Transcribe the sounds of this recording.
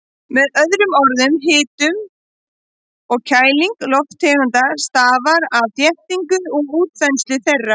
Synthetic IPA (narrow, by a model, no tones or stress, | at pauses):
mɛðœðɾʏmɔɾðʏmɦɪːt̪ʏm | ɔɣcʰaːjliŋklɔft̪ʰːɛːɾant̪ast̪aːvaɾaðθjɛht̪iŋkʏðɔɣuːt̪fɛnslɪθɛrːa